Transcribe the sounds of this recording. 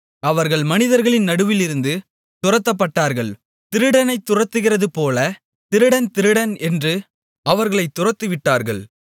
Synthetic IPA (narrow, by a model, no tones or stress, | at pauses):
ɐʋɐɾɣɐɭmɐnɪðɐɾɣɐɭɪnnɐɽɯʋɪlɪɾɯnd̪ɯ | t̪ʊrɐt̪ːɐpːɐʈːaːɾɣɐɭ | t̪ɪɾɯɽɐnɐɪt̪ːʊrɐt̪ːɯɣɪrɐðɯpoːlɐ | t̪ɪɾɯɽɐnt̪ɪɾɯɽɐnɛndrɯ | ɐʋɐɾɣɐɭɐɪt̪ːʊrɐt̪ːɯʋɪʈːaːɾɣɐ̰ɭ